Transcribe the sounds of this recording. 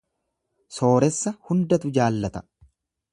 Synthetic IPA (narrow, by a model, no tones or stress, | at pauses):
so̞ːɾɛsːɐhʊnd̪ɐt̪ʊd͡ʒaːlːɐt̪ɐ̥